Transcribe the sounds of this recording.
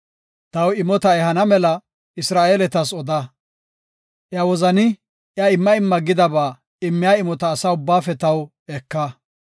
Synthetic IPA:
t̪ɐwɪmɔt̪ɐɛɦɐnɐmɛlɐ | ɪsɾaːʔeːlɛt̪ɐsɔd̪ɐ | ʔjawɔzɐnɪ | jɐɪmːɐɪmːɐɡɪd̪ɐbaː | ɪmːɪjaːɪmɔt̪ɐːsaʊbːaːfɛt̪ɐw | ɛkːɐ

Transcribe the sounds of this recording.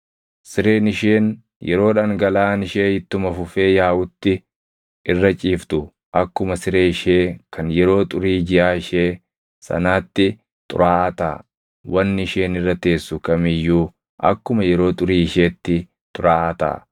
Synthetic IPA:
sɪɾeːnɪʃeːn | jʔɛ̰ɾo̞ːᶑaːŋɡɐlaːnɪʃe̞ːhɪt̪ːʊmɐfʊfe̞ːjaːwʊt̪ːɪ | ɪrːɐt͡ʃʼiːft̪ʊ | ʔɐkːʊmɐsɪɾeːɪʃeːkʰɐnjɛɾo̞ːt̪ʼʊɾiːd͡ʒɪʔaːɪʃeː | sɐ̰naːt̪ːɪ | t̪ʼʊ̰ɾaːʔɐt̪a̰ː | wɐnːɪʃe̞ːnɪrːɐt̪e̞ːsːʊkɐmɪjːuː | ʔɐ̰kːʊmɐjɛɾo̞ːt̪ʼʊɾiːɪʃe̞ːt̪ːɪ | t̪ʼʊɾaːt̪a̰ː

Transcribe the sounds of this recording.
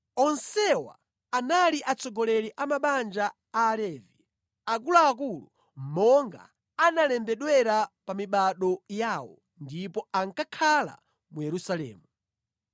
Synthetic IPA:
ɔnsɛwa̰ | analiʔat͡sɔɡɔlɛɾiʔamaɓand͡ʒaː | lɛːvi | ak̬ulaːk̬ulu | mɔŋɡa̰ | analɛmbɛɗwɛɾapamiɓaɗɔjaːwɔ̰ | ndipɔaŋkakʰala̰ | mujɛɾusalɛ̰ːmu

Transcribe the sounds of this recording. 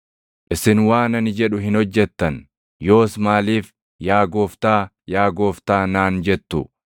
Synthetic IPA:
ʔɪsɪnwaːnɐnɪd͡ʒɛᶑʊɦɪnhɔd͡ʒːɛt̪ːɐn | jo̞ːsmaːliːf | jaːɡoːft̪aː | jaːɡoːft̪aːnaːnd͡ʒɛt̪ːʊ̰

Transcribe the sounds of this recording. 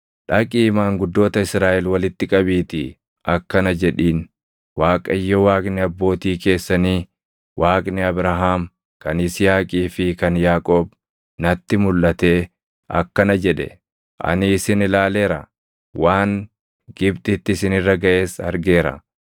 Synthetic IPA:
ᶑɐkʼiːmaːŋɡʊd̪ːo̞ːt̪ɐɪsɾaːʔɛlwɐlɪt̪ːɪkʼɐbiːt̪ɪ | ʔɐkːɐnɐd͡ʒɛᶑiːn | waːkʼɐɪjːɔwaːkʼnɪɐbːo̞ːt̪iːke̞ːsːɐniː | wʔaːkʼnɪɐbɾɐɦaːm | kɐnɪsɪjaːkʼiːfɪkɐnjaːkʼo̞ːb | nɐt̪ːɪmʊlːʔɐt̪e̞ː | ɐ̰kːɐnɐd͡ʒɛᶑɛ̰ | ʔɐ̰nɪːsɪnɪlaːle̞ːɾɐ | waːŋ | ɡɪbt̪ʼɪt̪ːɪsɪnɪrːɐɡɐʔeːsɐɾɡe̞ːɾɐ̰

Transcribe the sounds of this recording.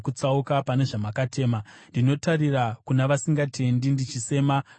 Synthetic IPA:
kut͡saukapane̞ʐamakate̞ːmandino̞tarirakunaʋasiŋɡatʰe̞ndindit͡ʃise̞ːma

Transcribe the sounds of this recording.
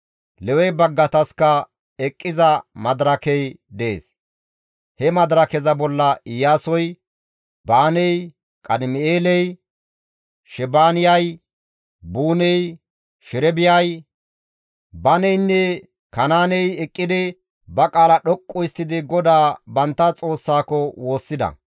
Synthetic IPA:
lɛwɛjbɐɡːɐt̪ɐskɐ | ɛkʼːɪzɐmɐd̪ɾɐkɛj | d̪eːs | hɛmɐd̪ɾɐkɛzɐbɔlːɐɪjaːsɔj | baːnɛj | kʼɐd̪ɪmɪeːlɛj | ʃɛbaːnɪjɐj | buːnɛj | ʃɪɾɛbɪjɐj | bɐnɛjnːɛ | kɐnaːnɛjɛkʼːɪd̪ɪ | bɐkʼaːlɐɗɔkʼːɔjɪst̪ːɪd̪ɪɡɔd̪aːbɐnt̪ːɐt͡sʼo̞ːsːaːkɔwo̞ːsːɪd̪ɐ̰

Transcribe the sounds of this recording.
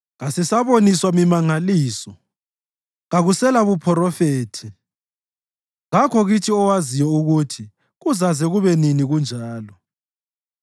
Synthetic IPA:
ɣasɛsaβoniswamimaŋaliːsɔ | ɣaɣusɛlaβupʰɔɾɔfeːtʰi | ɣakʰɔɣitʰiɔwazijɛuɣutʰi | ɣuzazɛɣuβɛniniɣund͡ʒʱaaːlɔ

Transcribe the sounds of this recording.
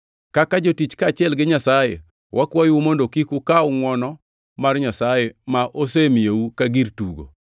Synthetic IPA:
kakad͡ʒotit͡ʃkat͡ʃɪɛlɡɪɲasajḛ | wʔakwajwumondokikukaʊŋwɔnɔ | marɲasajɛmaʔosemɪjeukaɡirtuɡo̰

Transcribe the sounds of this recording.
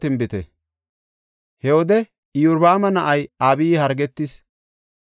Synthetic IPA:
t̪ɪmbɪt̪ɛ̰ | hɛwɔd̪ɛ | ɪjʊɾbaːmɐnɐʔɐjaːbihɐɾɡɛt̪ːɪs

